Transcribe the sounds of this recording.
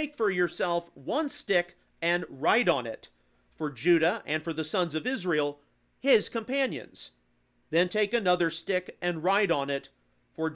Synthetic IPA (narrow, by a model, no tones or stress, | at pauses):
ɪkfə˞jə˞sɛlˠfwʌ̃nstɪk | ɨ̃nɹaɪɾn̩ɪ̰t | fə˞d͡ʒʉɾɨʔɨ̃nfə˞ðɨsʌ̃nzʌvɪzɹil̩ˠ | ɪz̥kɨ̃mpæ̃njɨ̰̃nz̥ | ðɨ̃ntʰeɪkɨnʌðə˞stɪkɨ̃nɹaɪɾn̩ɪt | fə˞